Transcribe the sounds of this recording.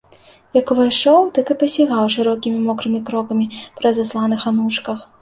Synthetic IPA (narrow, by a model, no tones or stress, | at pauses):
jakuvajʂɔwt̪akɨpɐsʲiɣawʂɨɾɔkʲimʲimɔkɾɨmʲikɾɔkɐmʲipɾɐzaslˠanɨxanuʂkɐx